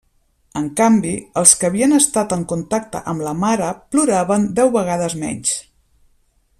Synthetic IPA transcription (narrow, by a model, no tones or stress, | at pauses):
əŋkambiəlˠskəːβ̞iənəst̪at̪əŋkunt̪ak̚t̪ə̰ʔəmləmaɾəpluɾaβənd̪ɛwβəɣ̞að̞əzmɛ̰ɲs